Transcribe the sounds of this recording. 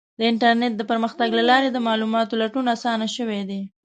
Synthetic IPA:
d̪əɪɳʈaɾneʈ̚d̪əpəɾməxt̪aɡlalɑɾed̪əmɑlumɑt̪olaʈunasɑnaʃəwed̪e

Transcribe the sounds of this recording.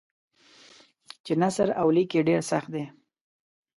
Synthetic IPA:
t͡ʃenasɾawlikeɖeɾsaxt̪̚d̪e

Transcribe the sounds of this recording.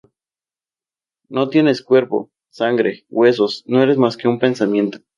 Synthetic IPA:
no̞t̪je̞ne̞skwe̞ɾpo̞̰ | saŋɡɾe̞ɣwe̞so̞sno̞e̞ɾe̞zmaske̞umpe̞nsamjẽ̞nt̪o

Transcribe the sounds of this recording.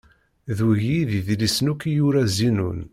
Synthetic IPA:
ðuʝiðiðlisnukijuɾæzinṵn

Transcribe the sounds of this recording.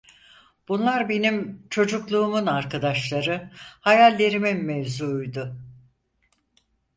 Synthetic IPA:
b̥unlˠaɾbe̞nimt͡ʃʰo̞d͡ʒuklˠuːmunaɾkʰad̪aʃlˠaɾɯhajalʲːe̞ɾiminmevzuːjd̪ʊ

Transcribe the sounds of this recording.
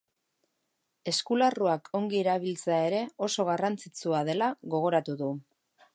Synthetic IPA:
e̞skularuakʰo̞ŋɡieɾaβ̞ilt͡seae̞ɾe̞o̞so̞ɣ̞arant͡sit͡suaðe̞laɣo̞ɣ̞o̞ɾat̪uðu

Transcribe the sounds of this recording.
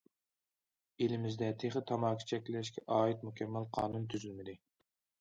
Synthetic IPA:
elɪmɪzd̪ɛt̪ʰeχɪt̪ʰɑmɑːkʰʲi̥t͡ʃʰɛkʲlɪʃkʲɛʔɑːit̪mukʲʰɛmːælqʰɑːnunt̪ʰyzylmɪd̪ɪ

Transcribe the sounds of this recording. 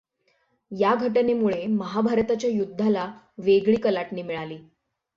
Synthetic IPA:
jaɡʱəʈnemuɭeməɦabʱaɾt̪at͡ɕjajud̪ʱːala | ʋeɡɭiːkəlaʈniːmiɭaliː

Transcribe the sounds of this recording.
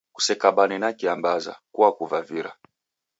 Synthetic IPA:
ku̥sɛkaɓanɛnakiambaza̰kuwakuvaviɾa

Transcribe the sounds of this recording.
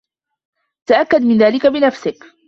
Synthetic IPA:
t̪aʔakːad̪mɪnðaːlɪkabɪnafsɪk

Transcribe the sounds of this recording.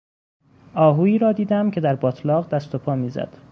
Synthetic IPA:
ʔɒːɦuːiːɾɒːd̪iːd̪æmcʰe̞d̪æɾbɒːt̪ʰlɒːʁd̪æst̪o̞pʰɒːmiːzæ̰d̪̥

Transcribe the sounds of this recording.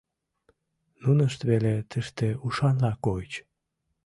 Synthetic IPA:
nunəʃt̪βelet̪ʰəʃt̪euʃɑnlɑkoət͡ɕ

